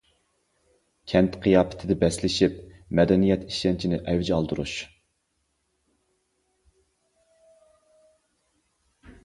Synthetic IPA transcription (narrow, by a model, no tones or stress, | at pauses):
kʲʰɛnt̪qʰijɑːpʰɪ̥t̪ʰɪd̪ɪbɛslɪʃipmɛd̪ɛnijɛt̪ʰi̥ʃɛnt͡ʃʰinɪʔɛwd͡ʒɑlˠd̪uɾṵʃ